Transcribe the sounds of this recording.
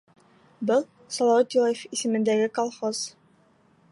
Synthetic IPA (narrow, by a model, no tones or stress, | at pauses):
bɤlˠ | sɒlˠɑwɑt̪ilˠajefisɘ̆mɘ̆nd̪æɡɘkolˠχoz̥